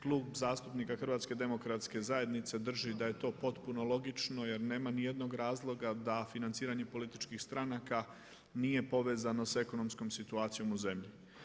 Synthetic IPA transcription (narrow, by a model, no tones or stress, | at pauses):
klˠuːbzaːst̪upnikaxr̩ʋaːt̪ske̞d̪emo̞kɾat̪ske̞zaje̞d̪nit̪se̞d̪r̩ʒid̪aje̞t̪o̞po̞t̪puno̞lˠo̞ɡit͡ʃno̞je̞ɾne̞ːmanije̞d̪no̞ɡɾaːzlˠo̞ɡad̪afinant̪siːɾaɲe̞po̞lit̪it͡ʃkixst̪ɾanaka | nije̞po̞ʋe̞ːzano̞se̞ko̞no̞msko̞msit̪uaːt̪sijo̞muze̞mʎi